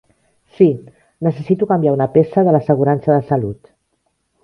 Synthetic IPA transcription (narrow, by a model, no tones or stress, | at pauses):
si | nəsəsit̪ukambjaunəpesəðələsəɣ̞uɾansəðəsalut̪